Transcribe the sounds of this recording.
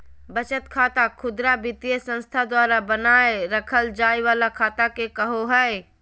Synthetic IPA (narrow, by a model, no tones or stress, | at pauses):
bət͡ʃət̪kʰaːt̪akʰʊd̪ɾabɪt̪ijəsə̃nst̪ʰad̪waːɾabənaːeɾəkʰəld͡ʒaːiʋaːlakʰaːt̪akekəɦoɦɛe